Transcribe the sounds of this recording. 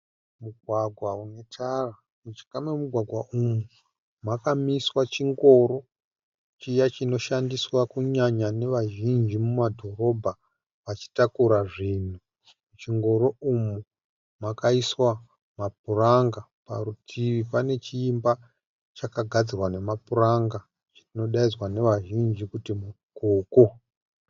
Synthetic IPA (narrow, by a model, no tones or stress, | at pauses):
muɡʱwaɡʱwaune̞tʰara | mut͡ʃi̥kamemuɡʱwaɡʱwaʔumu | makamiswat͡ʃiŋɡo̞ɾo̞ | t͡ʃijat͡ʃino̞ʃandiswakuɲaɲane̞ʋaʒind͡ʒimumadʱo̞ro̞bʱa | ʋat͡ʃi̥takuɾaʐiːn̤u | t͡ʃiŋɡo̞ɾo̞umu | makaiswa | map̚uraŋɡa | pa̰rutʰiʋipane̞t͡ʃiːmba | t͡ʃakaɡʱad͡zirwane̞mapuraŋɡa | t͡ʃi̥tino̞ɗaizwane̞ʋaʒind͡ʒikutimukuːko